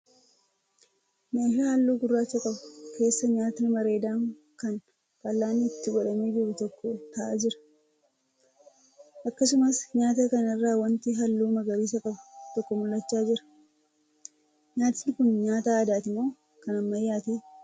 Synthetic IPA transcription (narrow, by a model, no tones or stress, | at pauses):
ɲɐfihɐlːuːɡʊrːaːt͡ʃːɐkʼɐbʊkʰe̞ːsːɐɲaːt̪ɪnɪmɐɾe̞ːd̪aːŋ | kɐn | kɐlːaːnːɪɪt̪ːɪɡɔᶑɐmeːd͡ʒɪɾʊt̪ɔkːɔt̪ɐʔaːd͡ʒɪɾɐ̥ | ʔɐkːɐsʊmɐsɲaːt̪ɐkɐnɪrːaːwɐnt̪ɪɦɐlːuːmɐɡɐɾiːs̬ɐkʼɐbʊ̥t̪ɔkːɔmʊlːɐt͡ʃːaːd͡ʒɪɾɐ̥ | ɲaːt̪ɪnːɪkʊnɲaːt̪aːd̪aːt̪ɪmo̞ː | kɐnɐmːɐjːaːt̪eː